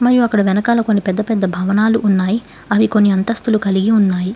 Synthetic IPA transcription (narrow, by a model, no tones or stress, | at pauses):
mɐɾijuɐkːɐɽɐʋɛnɐkaːlɐko̞nːipɛd̪ːɐpɛd̪ːɐbʱɐʋɐnaːluʔːnːaːji | ɐʋiko̞nːiɐnt̪ɐst̪ulukɐliɡiunːaːji